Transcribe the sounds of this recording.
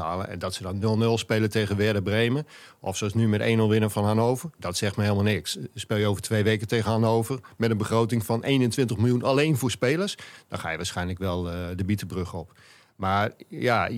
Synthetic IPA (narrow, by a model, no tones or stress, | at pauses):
a̰ːlˠə̰ʔɛ̰ndɔtsədɔnːølˠnølˠspeːləteɣənʋɪdəbreːməʔɔfsoɑsnymɛtḛːnolˠʋɪnəfɔnhanowvərdɔtsɛxtməɦeːlˠmalˠnɪksspeːlˠjəoːvərtʰʋeːʋeːkəteːɣənhanoːvərmɛtənbəxrowtɪŋfɔnʔeːnəntʋɪntəxmɪlˠjunaleːnfoːɹspeːlˠəsd̥ɔnxa̰jəʋaːsxɛjnləkʋɛlˠdəbitəbrøxɔp | maːrja